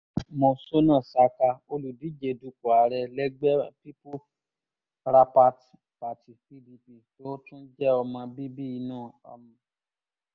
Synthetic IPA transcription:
mõ˧˨so˦nã˦˨sa˨˧ka˧o˧lu˨di˨˦d͡ʒe˨du˧ku˨a˨ɾɛ˧lɛ˦ɡ͡bɛ˦pi˦pu˦ | ɾa˧pa˧t | pa˨ti˨fi˧di˧pi˨to˨˦tũ˦d͡ʒɛ˦ɔ˧mã˧bi˦bi˦i˧nãː˦˨ɔ̰˧mĩ˨

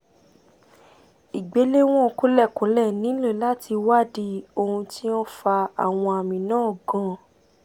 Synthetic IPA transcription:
i˨ɡ͡be˨˦le˦w̃ɔ̃˦o˨ko˦lɛ˦˨kõ˨˦lɛ˦˨nĩ˨˦le˦˨la˦tʰi˧wa˦di˧o˧hũ˧ti˦ɔ̃˦fa˧a̰˨w̃ɔ̃˧a˨mĩ˨nãː˦˨ɡɔ̃˨˦

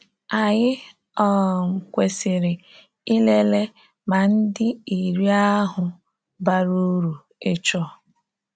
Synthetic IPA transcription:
a˨ɲɪ˦ | ɔ˦˨ŋ̩˨kʷe˨sɪ˨ɾɪ˨ | i˦le˦le˦ | ma˨n̩˦dɪ˦i˨ɾi˦a˦ɦʊ˨ | ba˦ɾu˦ɾu˨ | ɪ˦t͡ʃɔ˦

